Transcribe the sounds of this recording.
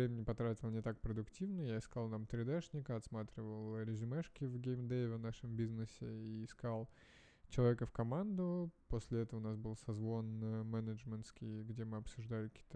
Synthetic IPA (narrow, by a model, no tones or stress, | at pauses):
ɾʲemʲɪnʲɪpɐt̪ɾatʲɪlˠnʲɪt̪ak̚pɾəd̪ʊktʲivnəjaɪskalˠnamt̪ɾʲɪd̪aʂnʲɪkəɐt̪smat̪ɾʲɪvəlˠɾʲɪzʲʊmɛʂkʲɪvɡʲejmd̪evʲɪnaʂɨmbʲiznɨsʲɪiːskalˠ | t͡ɕɪlˠɐvʲekəfkɐmand̪ʊposʲlʲɪɛt̪əvəʊnasbɨlˠsɐzvo̞nmɛnəʐmʲɪnt̪skʲɪjɡdʲe̞mɨɐpsʊʐd̪alʲɪkɐ̥kʲit̪ə